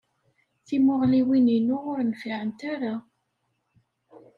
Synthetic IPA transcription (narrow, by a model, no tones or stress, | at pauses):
θimʊʁliwininuʁʊɾnfiʕənt̪aɾa